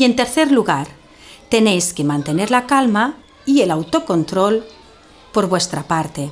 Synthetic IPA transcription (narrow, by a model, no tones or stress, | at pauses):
ie̞nt̪e̞ɾθe̞ɾluɣaɾ | t̪e̞ne̞jske̞mãnt̪e̞ne̞ɾlakalma | ielawt̪o̞ko̞nt̪ɾo̞l | po̞ɾβwe̞st̪ɾapaɾt̪e̞